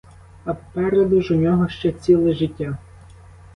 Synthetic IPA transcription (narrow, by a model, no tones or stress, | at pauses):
ɐppɛɾed̪ʊʒʊnʲɔɦɔʃt͡ʃɛt͡sʲilˠɪʒɪtʲːa